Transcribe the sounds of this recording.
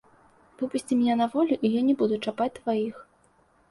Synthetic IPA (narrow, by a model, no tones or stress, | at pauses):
v̥ɨpusʲt͡sʲimʲnʲɛnɐvɔlʲuʔijanʲɛbud̪ut͡ʂapat͡sʲt̪vajix